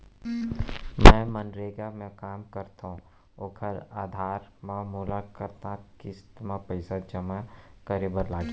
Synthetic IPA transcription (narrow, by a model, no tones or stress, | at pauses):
mɛ̃mənɾeːɡamɛ̃kaːmkɐɾt̪aũ | okʰəɾaːd̪ʱaːɾmãmuːlakəɾt̪ãkɪst̪mãpəɪsad͡ʒɐmakəɾeːbəɾlaːɡi